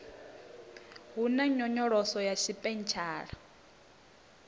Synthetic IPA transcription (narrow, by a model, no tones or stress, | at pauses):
ɦunaɲɔɲɔɺɔsɔjaʃipʼɛnt͡ʃʰaːɺa